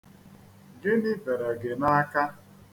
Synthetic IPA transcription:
ɡɪ˦ni˦ba˨ɾa˨ɡe˨na˦ka˦

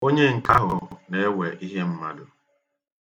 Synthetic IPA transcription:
o˦ɲe˦ŋ̩˨ka˦ɦʊ˨ne˦e˦we˨ʔi˦ɦe˦m̩˦ma˦dʊ˨

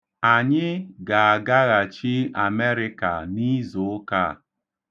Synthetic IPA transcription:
a˨ɲɪ˦ɡa˨a˨ɡa˦ɣa˨t͡ʃi˦a˨me˦ɾɪ˦ka̰˨ni˦zʊ˨ʊ˦ka̰˦˨

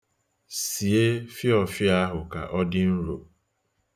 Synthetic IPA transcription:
si˨e˦fi˦ɔ˨fɪ˦a˦ɦʊ˨ka̰˨ʔɔ˦dɪ˦n̩˦ɾo̰˨

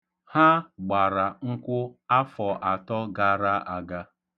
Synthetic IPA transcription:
ha˦ɡ͡ba˨ɾa˨ŋ̩˦kʷʊ˦a˦fɔ˨ʔa˨tɔ˦ɡa˦ɾa˦ʔa˨ɡa˦

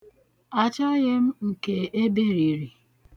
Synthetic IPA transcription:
a˨t͡ʃɔ˦ɣe˦m̩˦ŋ̩˨ke˨e˦be˦ɾi˨ɾi˨

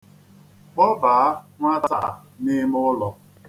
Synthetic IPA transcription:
k͡pɔ˦ba˨˦ŋʷa˦da˦a̰˨ | ni˦m˦ʊ˦lɔ˨

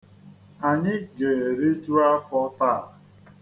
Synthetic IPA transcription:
a˨ɲɪ˦ɡe˨ɾi˦d͡ʒu˦a˦fɔ˦ta˦˨

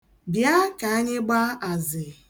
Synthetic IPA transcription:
bja˦ka˨a˦ɲɪ˦ɡ͡ba˦a˨zɪ˨

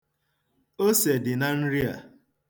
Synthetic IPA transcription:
o˦se˨dɪ˨na˦n̩˦ɾi˦a̰˨

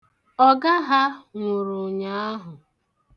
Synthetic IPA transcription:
ɔ˦ɡa˦ɦa˦ŋʷʊ˨ɾʊ˨ɲa˨˦a˦ɦʊ˨

